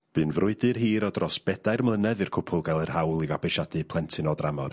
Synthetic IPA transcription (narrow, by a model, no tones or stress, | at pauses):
b̥ɨːnvrʊɨdɨrɦiːɾɔdrɔsb̥ɛdajrmlˠənɛðɨrkʰʊpʰʊlˠɡalˠərhawlˠivabɨʃadɨpʰlˠɛntʰɨnɔdramɔr